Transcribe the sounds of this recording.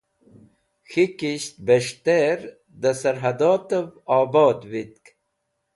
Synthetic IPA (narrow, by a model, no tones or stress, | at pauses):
xikiɕt̪̚beʂt̪eɾ | d̪ɐsɐɾɦɐd̪ɑːt̪əvɑːbɑːt̪wit̪̚k